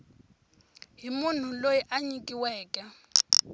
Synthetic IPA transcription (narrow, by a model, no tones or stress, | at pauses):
ɦimun̤ulojiʔaɲikʼiwɛːkʼɛ